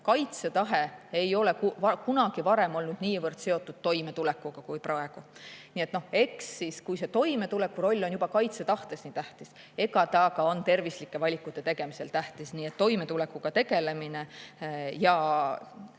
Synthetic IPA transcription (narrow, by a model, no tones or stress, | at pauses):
kɑjt̪se̞t̪ɑɦe̞e̞jo̞le̞kuɑkunɑɡ̥ivɑɾe̞mo̞lnud̪̥niːvɤrd̪̥se̞o̞t̪ːˑud̪̥̚t̪ːo̞jme̞t̪ule̞kːˑuɡ̥ɑkujprɑe̞ɡ̥unie̞t̪no̞he̞ksiskujse̞t̪o̞jme̞t̪ule̞kːˑuɾo̞lʲːo̞njubɑkɑjt̪se̞t̪ɑht̪e̞sniːt̪æht̪is | e̞ɡɑt̪ɑkɑo̞nt̪e̞rvislikːˑe̞vɑlʲikːˑut̪ːˑe̞t̪e̞ɡ̥e̞mise̞lt̪æht̪isniːet̪ːo̞jme̞t̪ule̞kːˑuɡ̥ɑt̪e̞ɡe̞le̞mine̞ | jɑ